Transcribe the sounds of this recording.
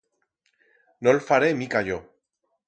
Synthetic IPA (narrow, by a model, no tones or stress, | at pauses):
nolfaɾemikaʎo